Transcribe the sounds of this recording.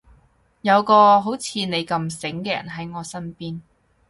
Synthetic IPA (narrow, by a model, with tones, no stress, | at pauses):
jɐ˨˧wkɔː˧ɦo˨˥wt͡sʰiː˨˧ne˨˧jkɐ˧msɪ˨˥ŋkɛː˧jɐ̰˨˩nɦɐ˨˥jŋɔː˨˧sɐ˥npiː˥n